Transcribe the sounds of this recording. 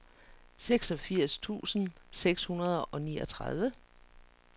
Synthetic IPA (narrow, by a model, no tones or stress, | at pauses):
seɡ̥sɒ̽fiɐ̰st͡sʰṵːsn̩seɡ̥shunɐð̞ˠɒ̽niːɒ̽t͡sʰʁɑð̞ˠʋə